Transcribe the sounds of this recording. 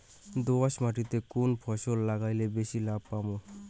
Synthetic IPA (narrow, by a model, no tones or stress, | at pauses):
d̪owasmaʈit̪ekunpʰɔsolːaɡajlebesilab̚pamu